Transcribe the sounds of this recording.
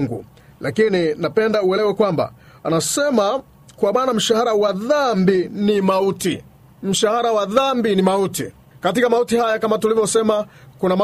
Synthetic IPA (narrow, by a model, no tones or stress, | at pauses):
ŋɡṵ | lakininapɛndauɛlɛwɛkwamba̰ | anasɛma | kwamaːnam̩ʃahaɾawaðambinimauti | m̩ʃahaɾawaðambinimautḭ | katikamautihajakamatulivjɔsɛma | kunama